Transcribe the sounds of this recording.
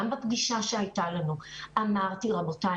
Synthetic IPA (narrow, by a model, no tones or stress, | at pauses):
ambapɡiʃaʃeajtalanuʔamaʁtiʁabota